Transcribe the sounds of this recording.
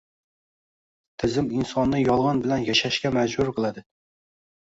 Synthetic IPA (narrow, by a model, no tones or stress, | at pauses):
t̪ʰɪzɪminsɑnːɨjɑlˠʁɑnbɪlɛnjɛʃæʃkʲɛmæd͡ʒbʊɾqʰəlˠɨd̪ɨ